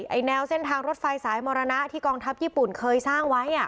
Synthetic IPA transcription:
jʔa˧˩jnɛː˧wse˥˩nt̪ʰaː˧ŋɾo˦˥t̪̚fa˧jsaː˩˦jmɔː˧ɾa˧na˦˥t̪ʰiː˥˩kɔː˧ŋt̪ʰa˦˥p̚jiː˥˩pu˨˩nkʰɤː˧jsaː˥˩ŋwa˦˥jʔa˨˩

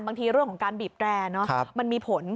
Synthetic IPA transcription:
nbaː˧ŋt̪ʰiː˧ɾɯ˥˩əŋkʰɔː˩˦ŋkaː˧nbiː˨˩p̚klɛː˧nɔ˦˥˧ma˧nmiː˧pʰo˨˩˦n

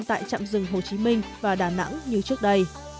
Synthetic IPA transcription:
nt̪a̰ː˧˨jt͡ɕa̰ː˧˨mzɨ˨˧˩ŋɦo˨˩t͡ɕi˨˦mï˧ŋ̟vaː˨˩ɗaː˨˩na̰˧˥ŋɲɨ˧t͡ɕɨ˦˥ək̚ɗə˧j

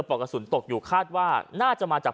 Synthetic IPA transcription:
pɔː˨˩kːa˧su˩˦nt̪o˨˩k̚juː˨˩kʰaː˥˩t̪̚waː˥˩naː˥˩t͡ɕa˨˩ʔmaː˧t͡ɕaː˨˩

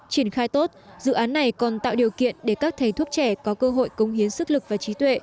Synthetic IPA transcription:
t͡ɕi˧˩ənxaː˧jt̪o˦˥t̚zɨ̰˧˨ʔaː˨˦nːa˨˩jkɔ˨˩nt̪a̰ː˧˨wɗi˨˩əwkḭ˧˨ənɗe˧˩kaː˦˥k̚t̪ʰə˨˩jt̪ʰu˦˥ək̚t͡ɕɛ˧˩kɔ˨˦kəː˧ɦo̰˧˨jkə˨˦wŋ͡mɦi˨˦ənsɨ˦˥k̚lɨ˨˩k̚vaː˨˩t͡ɕi˨˦t̪wḛ˧˨

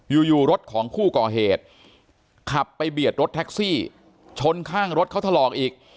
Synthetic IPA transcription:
juː˨˩juː˨˩ɾo˦˥t̪̚kʰɔː˩˦ŋkʰuː˥˩kɔː˨˩ɦeː˨˩t̪̚ | kʰa˨˩pːa˧jbi˨˩ət̪̚ɾo˦˥t̪̚ʰɛ˦˥k̚siː˥˩ | t͡ɕʰo˧˥nkʰaː˥˩ŋɾo˦˥t̪̚kʰa˥˩t̪ʰlɔː˨˩k̚ʔiː˨˩k̚

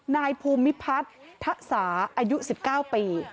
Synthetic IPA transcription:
naː˧jpʰuː˧mːi˦˥pʰa˦˥t̪ʰːa˦˥ʔsaː˩˦ʔaː˧ju˦˥si˨˩p̚kaː˥˩wpiː˧

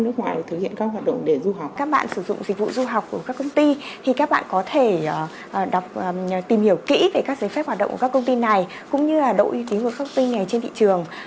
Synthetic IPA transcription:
nɨ˦˥ək̚ŋwa̰ː˨jt̪ʰə˨˩hḭ˧˨ənkaː˦˥k̚ɦwaː˨˩t̚ɗə̰˧˨ŋ͡mɗe˧˩zu˧ɦa˨˩k͡p̚kaː˦˥k̚ɓa̰ː˧˨nsɨ˧˩zʊ̰˧˨ŋ͡mzï˨˩k̟̚vṵ˧˨zu˧ɦa˨˩wk͡p̚ku˧˩kaː˦˥kːə˧wŋ͡mt̪i˧t̪ʰi˨˩kaː˦˥k̚ɓa̰ː˧˨nkɔ˨˦t̪ʰe˧˩˨ | ɗa˨˩wk͡p̚ːt̪i˨˩mhi˧˩əwkḭ˧˥ve˨˩kaː˦˥k̚za˨˦fɛ˦˥p̚hwa˨˩ɗə̰˧˨kːkːaː˦˥kə˧ŋ͡mt̪i˧na˨˩j | kʊ̰˧˥ŋ͡mɲɨ˧laː˨˩ɗo̰˧˨ʔi˧t̪i˨˦ənku˧˩˦ka˦˥˧t̪i˧ŋŋa˨˩jt͡ɕe˧nt̪ʰḭ˧˨t͡ɕɨ˨˩əŋ

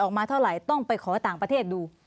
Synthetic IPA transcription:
ʔɔː˨˩k̚maː˧t̪ʰa˥˩wɾa˨˩jt̪ɔ˥˩ŋpa˧jkʰɔː˩˦t̪aː˨˩ŋpɾa˧eː˥˩t̪̚duː˧

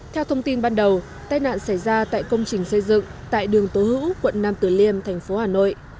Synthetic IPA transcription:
t̪ʰɛ˧wt̪ʰə˧wŋ͡mt̪i˧nɓaː˧nɗə˨˩w | t̪aː˧jna̰ː˧˨nsa˧˩jzaː˧t̪a̰ː˧˨jkə˧wŋ͡mt͡ɕï˨˩ŋ̟sə˧jzɨ̰˧˨ŋt̪a̰ː˧˨jɗɨ˨˩əŋt̪o˨˦hɨ̰˧˥wkwə̰˧˨nnaː˧mt̪ɨ˧˩li˧əmt̪ʰɛ˨˩jŋ̟fo˨˦haː˨˩no̰˧˨j

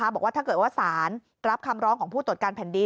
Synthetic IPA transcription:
aː˦˥bɔː˨˩k̚waː˥˩a˥˩kɤː˨˩t̪̚waː˥˩saː˩˦n | ɾa˦˥p̚kʰa˧mɾɔː˦˥ŋkʰɔː˩˦ŋpʰuː˥˩t̪u˨˩t̪kaː˧npʰɛː˨˩ndi˧

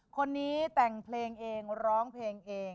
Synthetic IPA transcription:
kʰo˧nːiː˦˥t̪ɛ˨˩ŋpʰleː˧ŋʔeː˧ŋɾɔː˦˥ŋpʰleː˧ŋʔeː˧ŋ

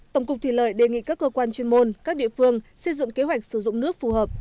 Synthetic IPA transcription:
t̪ə˧˩wŋ͡mkʊ˨˩k͡p̚t̪ʰi˧˩lə̰ː˧˩jɗe˨˩ŋḭ˧˨kaː˦˥kːəː˧kwaː˧nt͡ɕe˧nmo˧nkaː˦˥k̚ɗḭ˧˨əfɨ˧əŋsə˧jzɨ̰˧˨ŋke˨˦ɦwa˨˩jk̟̚sɨ˧˩zʊ̰˧˨ŋ͡mnɨ˦˥ək̚fu˨˩həː˨˩p̚

